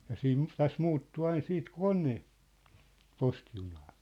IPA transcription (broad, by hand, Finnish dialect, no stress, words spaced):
jɑ siːn tæs muːtːu ɑin siːt kone posti junɑː